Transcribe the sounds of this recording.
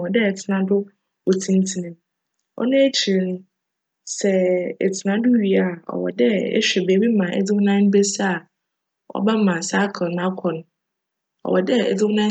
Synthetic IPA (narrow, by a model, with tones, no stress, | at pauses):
wɔ˨dɛ˦ɛ˨tʰɪ˨nã˦dʊ˦ | o˨tʰĩ˦n˦tʰi˦nɪ̃˨m | ɔ̰˦nã˦e˦t͡ɕʰi˨ĩ˨ñ˦ | sɛ˨ɛ˨tʰɪ˨nã˦dʊ˦ɥi˨a˨ɔ̰˨wɔ̰˨dɛ˦ɛ̰˦ɕᶣɛ˨beː˨˦bi˦mã˨ɛ̰˦d͡zɪ˦wʊ˦nã˦n˦bɛ˦sa˦a˨ | ɔ̰˦ba˦mã˨sa˦kʰɔ˨nã˦kʰɔ̃˨nʊ̃˨ | ɔ̰˨wɔ˨dɛ˦ɛ̰˨d͡zɪ˦wʊ̃˦nã˦